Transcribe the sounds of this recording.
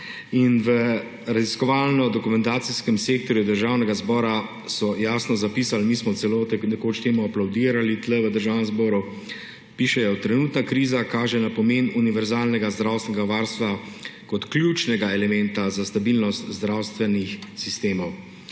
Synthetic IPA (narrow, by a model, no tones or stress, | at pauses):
inʋə | ɾaziskɔʋaːlnɔd̪ɔkumɛ̃nt̪aːt̪siskɛmseːkt̪ɔɾjud̪əɾʒaːwnɛɡazbɔːɾa | sɔjaːsnɔzapiːsalmiːsmɔt̪sɛloːt̪nɛkoːt͡ʃt̪eːmuaplawd̪iːɾalit̪lɛʋəd̪əɾʒaːwnɛmzbɔːɾu | piːʃɛjɔt̪ɾɛnuːt̪nakɾiːzakaːʒɛnapɔmeːnuniʋɛɾzaːlnɛɡazd̪ɾawst̪ɛnɛɡaʋaːɾst̪ʋa | kɔt̪klʲjut͡ʃnɛɡaɛlɛmɛnt̪azast̪abilnɔst̪zd̪ɾawst̪ʋɛnixsist̪eːmɔw